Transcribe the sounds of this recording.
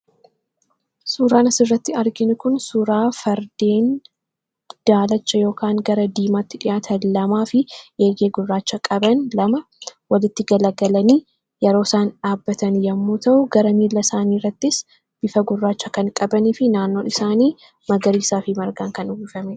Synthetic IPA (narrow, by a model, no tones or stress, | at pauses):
suːɾaːnɐsɪrːɐt̪ːɪɐɾɡɪnʊkʊnsuɾaːfɐɾd̪eːn | d̪̥aːlɐt͡ʃːɐjo̞ːkaːŋɡɐɾɐd̪iːmaːt̪ːɪᶑɪjaːt̪ʰɐnlɐmaːfɪʔeːɡeːɡʊrːaːt͡ʃːɐkʼɐbɐnlɐmɐ | wɐlɪt̪ːɪɡɐlɐɡɐlɐniː | jɛɾo̞ːsaːnᶑaːbːɐt̪ɐnjɐmːuːt̪ʰɐʔʊɡɐɾɐmiːlːɐsaːniːrːɐt̪ːɪs | b̥ɪfɐɡʊrːaːt͡ʃːɐkɐnkʼɐbɐniːfɪnaːnːo̞ːɪsaːniː | mɐɡɐɾiːsaːfɪmɐɾɡaːŋkɐnʊɡɪfɐme